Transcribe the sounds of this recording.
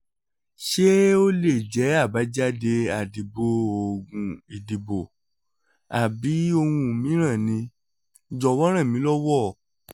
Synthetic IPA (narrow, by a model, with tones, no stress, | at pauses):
ʃe˦o˦le˦˨d͡ʒɛ˨˦a˦˨ba˨˦d͡ʒa˦de˧a˨di˨bo˨o˨ɡũ˨i˨di˨bo˨ | a˨bi˨˦o˧hũ˧˨mĩ˨˦ɾ̃ã˦˨nĩ˧˨ | d͡ʒɔ˧˨wɔ˦ɾ̃ã˦˨mĩ˨˦lɔ˦wɔ˦˨